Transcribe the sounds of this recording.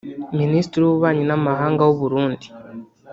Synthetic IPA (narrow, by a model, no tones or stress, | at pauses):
ministɾiuβuβaːɲinamaɦaːŋɡawoβuɾuːndi̥